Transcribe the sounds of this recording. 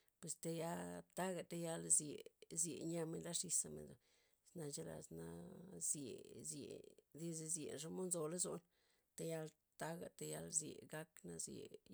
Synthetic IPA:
pwe˧st̪e˧ja˦t̪a˦ɡa˨t̪a˧ja˧lzjḛ˨zjḛ˨ɲa˧me˧nla˦ʂi˧sa˧mḛ˨nd̪o˨ | sna˧t͡ʃe˦la̰˨sna˧zje˨zjḛ˨d̪i˦ze˧zjḛ˨nʂo˧˦mo˦nzo˧la˦zo̰˧n | t̪a˧ja˧l | t̪a˦ɡa̰˨t̪a˧ja˧lzjḛ˨ɡa˦kna˧zjḛ˨

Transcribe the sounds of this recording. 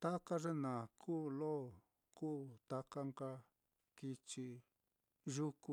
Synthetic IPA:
t̪a˦ka˦ʐe˦nã˨kʰuː˦˧lo˦˨ | kuː˦˨t̪a˦˧ka˦ŋka˧ | ki˧t͡ʃi˧ | ʒu˦ku˧

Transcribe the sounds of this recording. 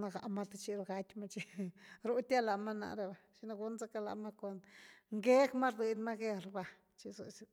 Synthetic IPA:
na˧ɡa̰˨ʔma˦t̪e˧t͡ʃi˧lɡa˦t̪ʲma˦˧t͡ʃi˧ɾo˦t̪ʲa˦la˨ma˦na̰˧˨ɾe˧ba˧˨ʃi˧na˧ɡu˦nza˦ka˧la̰˨ma˦ko˨nŋɡe˦kma˦ɾd̪i˨d̪ʲma˦ɡe˦˧ɾba˨ | t͡ʃi˧zo̰˨si˧

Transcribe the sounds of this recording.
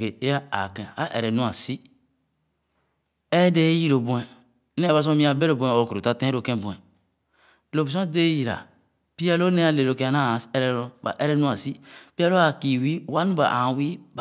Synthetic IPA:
ke˨e˦ja˦a̰˨kẽ˨a˦ʔḛ˨ɾe˨nũ˦a˨si˦ | e˦de˦ji˦ɾo˨bũ˨e˨˦ | ne˦ba˨s̬õ˦mĩ˦a˨be˦ɾo˨bũ˨ẽ˨o˨ku˨ɾo˨ta˦tẽ˦ɾo˨kẽ˦˨bu˨ɛ˨ | lo˨bs̬õ˦de˦ji˨ɾa̰˨ | pi˦a˦lo˦ne˦a˦le˨ɾo˨ke˨˦a˨na˦˨e˨ɾe˨ba̰˨ʔe˦ɾe˦nũ˦a˨si˦pi˦a˦lo˦a˨ki˨wi˦˨wa˦nu˦ba̰˨ʔa̰˨wi˦˨

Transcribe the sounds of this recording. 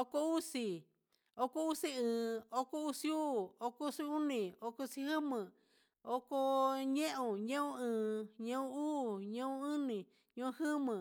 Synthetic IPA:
o˧ko˧u˦si˧ | o˦ko˦u˦si˦ɨ̃ː˨o˦ko˦u˦si˦u˦˨o˧ko˦˧˦si˧u˦nĩ˨o˧ko˧si˧hɨ˦mɨ̃˨ | o˦ko˧ɲẽ˦ʔõ˧ɲẽ˦ũ˦ɨ̃ː˨ɲẽ˦ũ˦uː˦˨ɲẽ˦ũ˦ɨ̃˦nĩ˨ | ɲõ˧˦ũ˧hɨ˦mɨ̃˨

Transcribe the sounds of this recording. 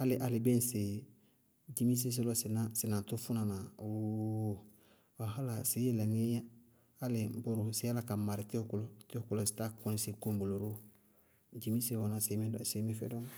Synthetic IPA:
ha˦lɪ˨ʔa˨li˨bẽ˦nse˨ | d͡ʒi˦mi˦s̬e˦s̬e˦lo˨si˨na˦si˨nã˨ntu˦fu˦na˨na˨o | a˨ɦa˦la˨si˨˦je˦˨le˨ni˦ja˦ | ha˦lɪ˨bo˨ɾu˨si˦a˦la˨ka˨ma˨ɾi˨ti˦o˦ku˦lo˨ti˦o˦ku˦lo˨si̥˨ta˦ko˦ni˦se˨ko˦bo˨lo˨ɾo˦ | d͡ʒi˦mi˦se˦wo˨na˨se˨mĩ˦d̰se˨˦mi˦fɛ̰˦dɔ˦n

